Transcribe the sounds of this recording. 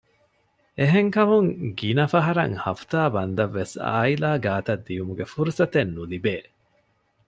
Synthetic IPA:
eɦeŋkɐmuŋɡinɐfɐɦɐɾɐ̰ŋhɐfu̥t̪aːbɐnd̪ɐʋːesa̰ːilaːɡaːt̪ɐd̪ːijumuɡefuɾusɐt̪enːulibeː

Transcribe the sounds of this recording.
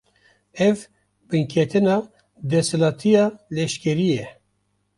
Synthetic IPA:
ɛv | bɨŋkʰɛt̪ʰɨnɑː | d̪ɛsɛlɑːt̪ʰijɑːlɛʃkɛɾijɛ

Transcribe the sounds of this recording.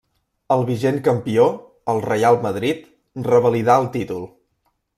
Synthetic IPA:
əlˠβiʒeŋkəmpio | əlˠrəjalˠməð̞ɾit̪ | rəβəliðaəlˠt̪it̪ulˠ

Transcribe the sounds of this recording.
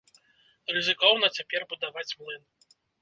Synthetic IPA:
rɨzɨkɔwnɐt͡sʲapʲɛrbud̪avat͡sʲmlˠɨn

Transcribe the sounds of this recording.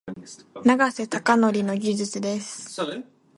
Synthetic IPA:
naɡase̞t̪akano̞ɾʲino̞ɡʲiʑɨt͡sɨd̪e̞sɨ̥

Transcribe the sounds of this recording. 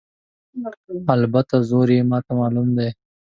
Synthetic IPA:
albat̪azoɾimɑt̪amɑlumd̪e

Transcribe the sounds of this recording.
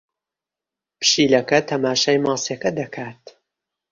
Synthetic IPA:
pɨ̥ʃiːlɐkɐt̪ʰɐmaːʃaːjmɑːsjekɐd̪ɐkʰaːt̪

